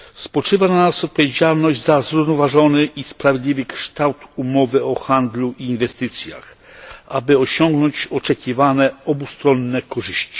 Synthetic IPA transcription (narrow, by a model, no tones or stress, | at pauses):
spɔt͡ʂɘvananasɔt̪̚pɔvʲjed͡ʑalnɔʑd͡ʑzazɾuvnɔvaʐɔnɘʔispɾavʲjed̪lʲivɘkʂt̪awt̪umɔvɘɔxand̪luʔiːnvɛst̪ɘt̪sʲja̰x | abɘɔɕɔŋɡnɔɲt͡ɕɔt͡ʂɛkʲivanɛɔbust̪ɾɔnːɛkɔʐɘɕt͡ɕi̥